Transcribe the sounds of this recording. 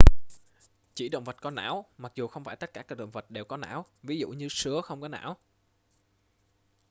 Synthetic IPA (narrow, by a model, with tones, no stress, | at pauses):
t͡ɕi˧˩ɗə̰˧˨wŋ͡mvə˨˩t̚kɔ˨˦na̰ː˧˥wma˨˩k̚zu˨˩xə˧wŋ͡mfaː˧˩j̪t̚kaː˧˩kaː˦˥ɗə̰˧˨wŋ͡mvə˨˩t̚ɗe˨˩wkɔ˨˦na̰ː˧˥˨wvi˨˦zṵ˧˨ɲɨ˧sɨ˨˦əxə˧wŋ͡mkɔ˨˦na̰ː˧˥w